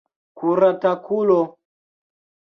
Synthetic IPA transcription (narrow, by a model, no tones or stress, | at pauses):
kuɾatakulɔ